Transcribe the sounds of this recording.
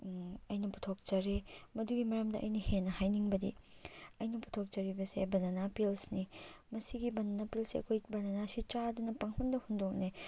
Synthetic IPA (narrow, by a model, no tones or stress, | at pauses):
ɐjnɐpu̥tʰok̚t͡ʃɐɾemɐduɡimɐɾɐmdɐ̰ʔɐ̰jnɐhenɐhajniŋbɐdḭɐjnɐpu̥tʰok̚t͡ʃɐɾibɐsḛbɐnɐnapilsnimɐsiɡibɐnɐnapilsiɐ̰kʰojbɐnɐnasit͡ʃadunɐpɐŋpʰɐmdɐhundok̚ne